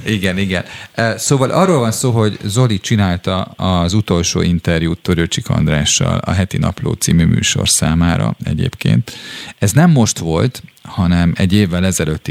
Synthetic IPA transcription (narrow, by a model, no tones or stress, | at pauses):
iɡɛniɡɛnøsoːvɒlʔɒrːoːlvɒnsoːɦo̞ɟzo̞lit͡ʃinaːlt̪ɒɒzut̪o̞lʃo̰ːint̪ɛrjuːt̪ːøɾøt͡ʃikʰɒ̰nd̪raːʃːɒ̰lɒɦɛt̪inɒ̰plo̰ːt̪simyːmy̰ːʃo̞̰rsaːmaːɾɒ̰ɛɟḛːpkḛːnt̪ɛznɛmːo̞ʃt̪ʋo̞lt̪hɒnɛmɛɟːeːvːɛlɛzɛløt̪ːi